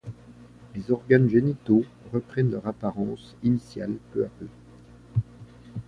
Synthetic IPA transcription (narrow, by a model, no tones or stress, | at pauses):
lezɔʁɡanʒenit̪o | ʁəpχɛnlœʁapaʁɑ̃s | inisjalpøapø